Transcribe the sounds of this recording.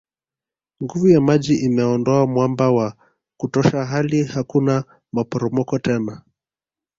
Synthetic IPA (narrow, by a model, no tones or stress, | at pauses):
ŋɡuvujamaʄiʔimɛɔndɔamwambawa | kutɔʃaɦalihakuna | mapɔɾɔmɔkɔtɛna